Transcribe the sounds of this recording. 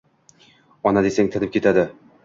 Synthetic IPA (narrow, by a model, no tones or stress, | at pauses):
ɒnad̪esaŋt̪ʰɪnɪp̚kʲʰe̞t̪ʰad̪ɪ